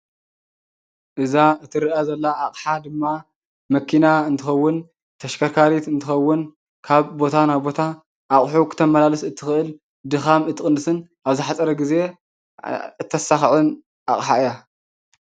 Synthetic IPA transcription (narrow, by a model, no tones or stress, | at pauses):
ʔɨzaɨt̪ʰɨɾɨʔazɐlːaːχʼħad̪ɨmːa | mɐkʰinaɨnt̪ʰɨxɐwːʊn | t̪ʰɐʃkʰɐɾkʰaɾit̪ɨnt̪ʰɨxɐwːʊn | kʰaβbo̞t̪ʰanajbo̞t̪ʰa | ʔaχʼħukʰɨ̥t̪ʰɐmɐlalɨsɨt̪ʰːɨxɨʔɨl | d̪ɨxamɨt̪ʰːɨkʼɨnːɨsɨnʔaβzɨħat͡sʼɐɾɐɡize̞ | ɨt̪ʰːɐsaxʕɨn | ʔa̰χʼħaɨja